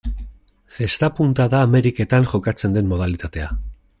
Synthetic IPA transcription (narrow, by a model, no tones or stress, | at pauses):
fe̞st̪apunt̪aðaːme̞ɾike̞t̪aŋʝo̞kat͡se̞nd̪e̞mmo̞ð̞alit̪at̪e̞a